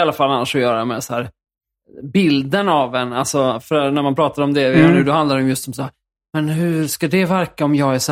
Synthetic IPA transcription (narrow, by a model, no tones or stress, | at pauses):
alːafalːanːaʂɔjœːɾamɛsahæːɾ | bɪld̪ənavɛnalsɔfœɾnæɾmanpʰɾɑːt̪aɾɔmd̪ɛjnʉːd̪ɔhand̪laɾɛɔmjɵst̪sɔmsahæɾ | mɛnɦɵʂkad̪ɛvæɾkaɔmjɑːɡæʂ